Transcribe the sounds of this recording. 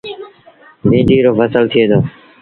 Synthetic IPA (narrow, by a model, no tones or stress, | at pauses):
bĩːɖiːɾoːfəsəlt̪ʰɪeːd̪ʰoː